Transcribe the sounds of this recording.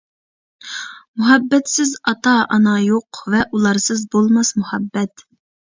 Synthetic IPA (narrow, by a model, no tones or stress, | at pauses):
muɦɛbːɛt̪sɪzɑt̪ɑʔɑnɑjoqvɛʔulˠɑɾsɨzbolˠmɑsmuhɛbːɛt̪